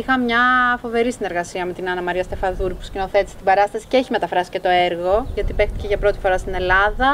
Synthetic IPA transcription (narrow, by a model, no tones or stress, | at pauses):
ixɐmɲɐfo̞ve̞ɾisine̞ɾɣɐsiɐme̞t̪inɐnɐmɐɾiɐst̪e̞fɐðuɾpu̥scino̞θe̞t̪ist̪ibɐɾɐst̪ɐsi̥ceeçimet̪ɐfɾɐsi̥ce̞t̪o̞eɾɣo̞ʝɐt̪ipe̞xt̪i̥ceʝɐpɾo̞t̪i̥fo̞ɾɐst̪ine̞lɐðɐ